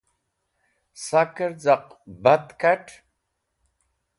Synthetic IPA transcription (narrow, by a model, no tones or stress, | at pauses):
sakəɾd͡zaqbat̪kaʈʰ